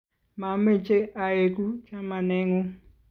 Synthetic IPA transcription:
ma˨m̩˦e˦˨t͡ʃe˦a˨ɾe˨ku˦t͡ʃa˦ma˨ne˦ŋʊ˦

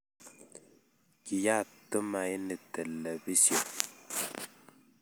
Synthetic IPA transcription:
ki˨ja˦˨tə˦ma˨i˦nɨ˨tɛ˨lɛ˨bi˦si˨o˨

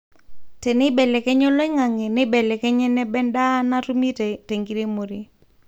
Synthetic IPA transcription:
tɛ˨nɪ˦bɛ˨lɛ˨kɛ˦ɲɔ˦lɔ˦ɪ˦ŋa˨ŋe˨ne˦bɛ˨lɛ˨kɛ˦ɲɛ˦nɛ˦bɛ˦nda˦na˦ɾu˦mi˦tte˨ŋɡi˦ɾe˦mo˨ɾi˦

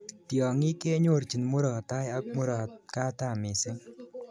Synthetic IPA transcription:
tjɔ˨ŋɪ˦ke˦ɲo˦˨ɾt͡ʃi˨nmo˦ɾɔ˨ta˦ja˦k̚mo˦ɾɔ˨ka˦ta˦˨mɪ˨sɪ˦

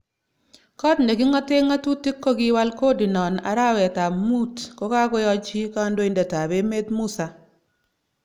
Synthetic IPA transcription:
kɔ˦tne˨ki˦ŋɔ˦tɪ˦ŋa˦tu˦ti˦kːo˦ɡɪ˦wa˦lko˦di˨nɔ˨na̰˨ɾa˦wɛ˨ta˨mu˦tkɔ˦ka˦kɔ˦jɔ˦t͡ʃi˦ka˦ndo˦i˨ndɛ˨ta˨be˦me˦tmu˦sa˨

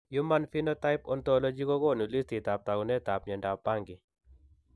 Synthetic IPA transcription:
ju˦ma˦nfi˦nɔ˦ta˦ɪ˦pɔ˦nt̪ɔ˦lo˦d͡ʒi˦ko˦kɔ˦˨nu˨li˦sti˨t̪a˨p̚t̪a˨ɡɔ˨nɛ˦t̪a˨pɲɛ˨nda˨pa˦ŋɡɪ˨

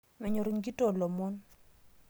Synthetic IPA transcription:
mɛ˨ɲɔ˨ɾi˨˦ŋɡi˦to˦˨lɔ˨mɔ˦n

